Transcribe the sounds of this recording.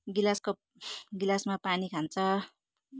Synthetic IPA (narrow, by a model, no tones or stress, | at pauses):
ɡilasko | ɡilasmapanikʰant͡sʰʌ